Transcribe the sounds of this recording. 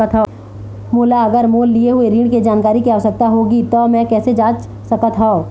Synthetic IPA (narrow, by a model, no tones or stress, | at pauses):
ət̪ʰa | moːlaɐɡəɾmoːlːieɦueɾiːɽ̃ked͡ʒaːnkaːɾikiaɔsɐk̚t̪aɦoːɡit̪ɔmɛ̃ːkɛːsed͡ʒaːt͡ʃ | sɐkət̪ʰɦao